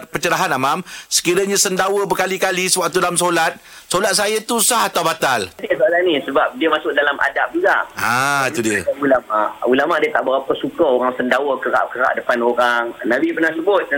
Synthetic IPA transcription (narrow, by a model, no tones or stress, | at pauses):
t̪̚pət͡ʃəɾaɦanamamsə̥kiɾaɲãsəndawəbəkalikalisəwaʔ̚t̪udalamsolat̪̚ | solat̪̚sajat̪usahat̪awbat̪aldiəsoalanisəbap̚diəmasʊk̚dalamʔa̰dap̚d͡ʒuɡaʔat̪udiəulamaʔulamaʔdiət̪aʔbəɾapəsukəoɾaŋsəndawəkəɾa̰ʔkəɾa̰ʔdəpanoɾaŋnãbipərnahsubʊt̪̚